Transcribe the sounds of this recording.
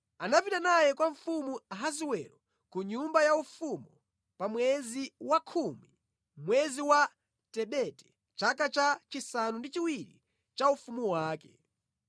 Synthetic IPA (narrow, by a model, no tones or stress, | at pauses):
anapitanajɛkwaɱfumuaɦaziwɛɾɔ | kuɲumbajaufumu | pamwɛziwakʰumi | mwɛziwa | tɛɓɛtɛ̥ | t͡ʃakat͡ʃat͡ʃisanundit͡ʃiwiɾḭ | t͡ʃaufumuwaːkɛ